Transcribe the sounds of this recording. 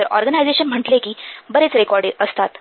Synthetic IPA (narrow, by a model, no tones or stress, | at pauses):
əɾɔ̰ɾɡənajd͡zeɕənm̤əʈlekiːbəɾet͡sɾekɔɾɖeʔəst̪at̪